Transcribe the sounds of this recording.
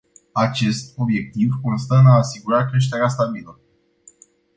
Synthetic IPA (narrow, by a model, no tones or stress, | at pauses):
at͡ʃe̞st̪o̞bje̞k̚t̪ivkonst̪ənaːsiɡuɾakɾe̞ʃ̬t̪e̞ɾeast̪abilə